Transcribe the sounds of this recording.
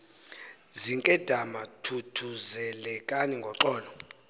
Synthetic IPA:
ziŋkʼɛd̥ʱamatʰutʰuzɛlɛkʼaniŋɡʱɔǁɔːlɔ

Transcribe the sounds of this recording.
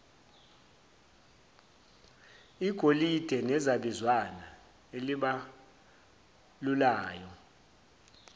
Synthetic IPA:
iɡ̥ʱolid̥ʱɛnɛzaɓizwana | eliɓa | lulaːjɔ

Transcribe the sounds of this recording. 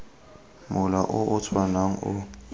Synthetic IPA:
mʊlaʔʊʔʊt͡sʰwanaŋ̩ʊ̰

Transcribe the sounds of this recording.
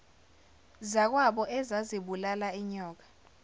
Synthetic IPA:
zak̬waɓɔʔɛzaziɓulalaiɲɔːk̬ḁ

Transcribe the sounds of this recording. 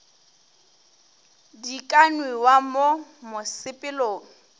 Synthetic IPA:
dikʼanwɪwamomʊsɪpʼɪloːŋ̩

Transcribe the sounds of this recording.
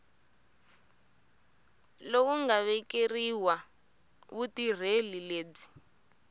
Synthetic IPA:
lowuŋɡaβɛkeriwa | βutir̤elileːd͡zi̥

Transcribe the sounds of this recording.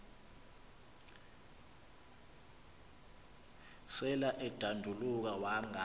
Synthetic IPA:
sɛlaʔɛd̥ʱandʱuluk̬awaŋa

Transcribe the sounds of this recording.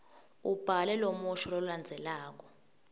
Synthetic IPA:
ub̥ʱalɛlomuʃɔlɔluland͡zʱɛlaːk̬ʼɔ̥

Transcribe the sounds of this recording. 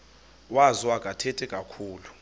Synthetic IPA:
waziwakʼatʰɛtʼɛkʼakʰuːlu

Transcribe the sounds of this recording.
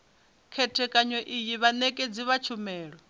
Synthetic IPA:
kʰɛtʰɛkʼaɲɔʔijiβanɛkʼed͡ziβat͡ʃʰumɛːɺɔ

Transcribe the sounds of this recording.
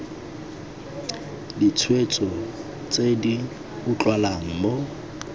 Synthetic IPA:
dit͡sʰwet͡sʼɔ | t͡sʼedi | bʊt͡ɬʼwalaŋ̩mo

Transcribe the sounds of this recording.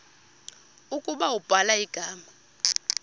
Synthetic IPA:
ukʼuɓawub̥ʱalaiɡ̥ʱaːma

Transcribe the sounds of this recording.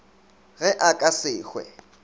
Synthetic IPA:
ɣɛʔakʼasɪːxwɛ̰

